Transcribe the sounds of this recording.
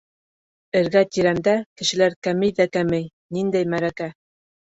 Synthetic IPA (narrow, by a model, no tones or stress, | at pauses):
ɘ̆ɾɡæt̪iɾæmd̪ækɘ̆ʃɘ̆læɾkæmɘjðækæmɘj | nind̪æjmæɾækæ